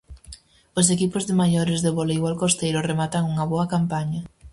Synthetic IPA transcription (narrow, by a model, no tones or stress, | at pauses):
osekipʊzðɪmajoɾɪzðeβolejwalkost̪ejɾʊremat̪aŋuŋɐβoɐkampaɲɐ